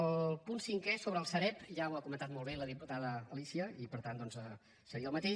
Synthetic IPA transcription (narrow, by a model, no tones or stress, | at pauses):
əlˠpunsiŋkɛsoβɾəːlˠsəɾɛpʒawakumənt̪at̪molˠβeləðiput̪aðəːlisiəipəɾt̪and̪ɔnzə | səɾiəlˠmət̪e